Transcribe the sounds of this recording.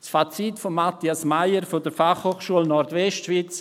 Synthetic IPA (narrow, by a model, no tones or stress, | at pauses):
sfat͡sitfomːat̪iasmaɪəɾfodəɾfaχhoːχʃuəlnɔɾtvɛstʃviːt͡s